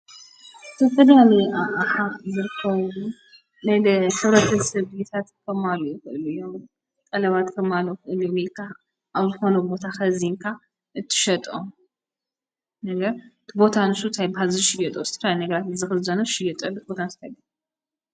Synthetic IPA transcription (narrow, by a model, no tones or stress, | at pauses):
ɨt̪ʰɐfɐlalɐaʔaħazɨɾɨkʰːɐβu | najħɨβɾɐt̪ʰɐsɐβit̪ʰat̪kʰɐmalujixɨʔɨlujːom | t̪ʼɐlɐβat̪kʰɐmalːoxɨʔɨlumilkʰa | ʔaβzɨxo̞nɐbo̞t̪ʰaxɐziŋkʰa | ʔɨt̪ʰːɨ̥ʃɐt̪ʼo | nɐɡɐɾt̪ʰɨbo̞t̪ʰanɨsut̪ʰajbɦalzɨʃɪjɐt̪ʼosɨt̪ʰɐfɾajnɐɡɐɾat̪zɨxɨzɐnoʃɪjɐt̪ʼɐlːubot̪ʰanst̪ʰajbi